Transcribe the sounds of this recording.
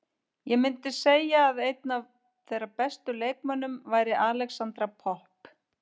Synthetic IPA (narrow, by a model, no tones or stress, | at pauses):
jɛmɪnt̪ɪseːjaːðejt̪nav | θejɾapɛst̪ʏleːjk̚manːʏmvaːjɾɪʔaːlɛksant̪ɾapʰɔhp